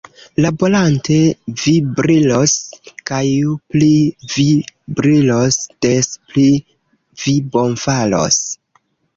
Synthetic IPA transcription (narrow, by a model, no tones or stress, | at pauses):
labo̞lantevibɾiloskajuplivibɾilosd̥espli | vibo̞nfalo̞̰s